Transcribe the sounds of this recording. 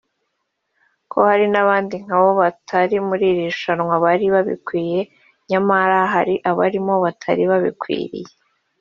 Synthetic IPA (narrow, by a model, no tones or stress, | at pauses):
kʰo̞haɾinaβaːndiŋ̥haβo̞βatʰaɾimuɾiɾiʃanŋwaβaɾiβaβḭkwiːje̞ | ɲamaɾaɦaɾiʔaβa̰ɾimo̞βatʰa̰ɾiβaβḭkwḭːɾḭje